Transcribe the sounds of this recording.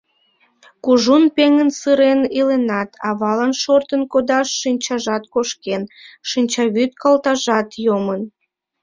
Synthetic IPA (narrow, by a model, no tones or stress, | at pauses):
kuʒunpeŋənsɨɾenilenɑt̪ʰɑβɑlɑnʃort̪ənkod̪ɑʃːinʲt͡ɕɑʒɑt̪koʃkenʃinʲt͡ɕɑβyt̪̚kɑlt̪ɑʒɑt̪jomən